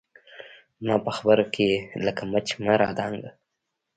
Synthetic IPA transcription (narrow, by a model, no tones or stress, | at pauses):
mɑpəxabəɾokʰeləkamat͡ʃmaɾɑd̪ɑŋɡə